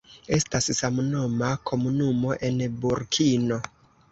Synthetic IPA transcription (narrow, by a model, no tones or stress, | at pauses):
e̞stassamnomakʰo̞munumo̞ʔe̞nbuɾkʰino̞